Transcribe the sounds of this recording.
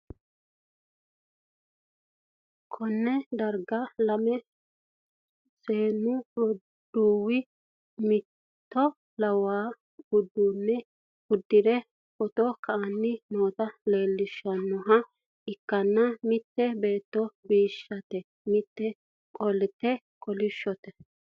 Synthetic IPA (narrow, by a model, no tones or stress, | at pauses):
kʰɔnːɛd̪ɐɾɡɐlɐmɛ | seːnːʊ | d̪̥uːwɪ | mɪ | t̪ːɔ | lɐwaː | ɡʊd̪ːuːnːɛ | ʊd̪ːɪd̪ɛ | kɔt̪ɔkɐɐnːɪnoːt̪ɐle̞ːlːɪʃːɐnːɔɦɐ | ɪkːɐnːɐmɪt̪ːɛbe̞ːt̪ːɔbiːʃːɐt̪ɛ | mɪt̪ːɛ | kʼɔlɪt̪ːɛ | kʼɔlɪʃːɔt̪ɛ